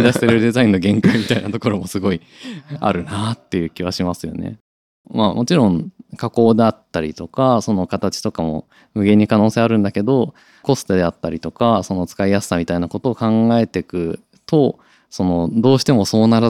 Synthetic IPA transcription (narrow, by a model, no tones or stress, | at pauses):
d̪aɕt̪eɾɯ̟d̪e̞zaĩnːo̞ɡẽ̞ŋkaimʲit̪ainat̪o̞ko̞ɾo̞mo̞sɨɡo̞i | a̰ɾɯ̟nat̪ːe̞jɯ̟ːkʲiβ̞aɕimasɨjo̞̰nḛ | maːmʔo̞t͡ɕiɾõ̞ɴkako̞ːd̪e̞at̪ːaɾʲit̪o̞kaso̞no̞kat̪at͡ɕi̥t̪o̞kamo̞̰ | mɯ̟ɡe̞ɲ̟ːikano̞ːse̞aɾɯ̟̃nd̪ake̞d̪o̞ | ko̞st̪e̞d̪e̞at̪ːaɾʲit̪o̞kaso̞no̞t͡sɨ̥kaijasɨ̥amʲit̪ainako̞t̪o̞ːkãŋɡae̞t̪e̞kɯ̟ | t̪o̞ | so̞no̞d̪o̞ːɕi̥t̪e̞mo̞so̞ːnaɾa